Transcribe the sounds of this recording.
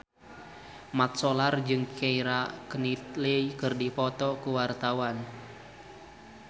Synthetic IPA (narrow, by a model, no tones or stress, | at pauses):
mat̪̚sɔlard͡ʒɨŋkʰɛiɾakənit̪̚leikɨrdipɔt̪ɔkuwart̪awan